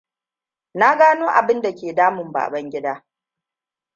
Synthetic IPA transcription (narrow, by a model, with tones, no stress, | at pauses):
na˦ɡaː˦noː˦ʔa̰˨bɪ˦nda˨kʲeː˨daː˦mʊ˨mba̰ː˨bɐ˦ŋɡʲɪ˦daː˦